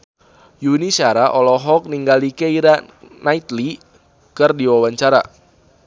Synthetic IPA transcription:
junisaɾaʔɔlɔɦɔk̚niŋɡalikeiɾanait̪li | kɨrdiwawaɲt͡ʃaɾa̰

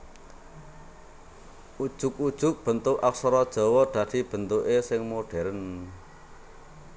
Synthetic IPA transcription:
ʔud̥ʒ̥ʊk̚ud̥ʒ̥ʊ̤k̚b̥ə̤nt̪ʊʔʔafsɔɾɔd̥ʒ̥ɔ̤wɔd̪̥ä̤d̪̥i̤b̥ə̤nt̪uʔesɪŋmoɖ̥ɛ̤ɾən

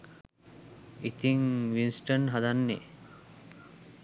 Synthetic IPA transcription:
it̪iŋʋinsʈənɦad̪anːe

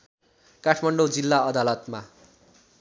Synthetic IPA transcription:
kaʈʰmaɳɖod͡zilːaʌd̪alʌt̪ma

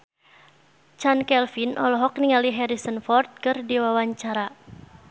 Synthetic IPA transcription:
t͡ʃankɛlfinʔɔlɔɦɔkniŋaliɦɛɾisənfɔrt̪̚kərdiwawaɲt͡ʃaɾa

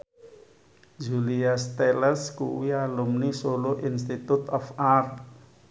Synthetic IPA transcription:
d͡ʒuliast̪eləskṵwialumnisoloʔinst̪it̪ut̪ɔfart̪

